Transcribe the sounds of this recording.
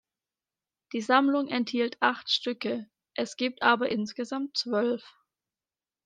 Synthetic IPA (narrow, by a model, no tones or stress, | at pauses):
d̥iːzamlʊŋʔɛnthiːltʰʔaχtʃtʏkə | ʔɛsɡ̥iːp̚tʔaːbɐʔɪnsɡ̥əzamtt͡sv̥œlf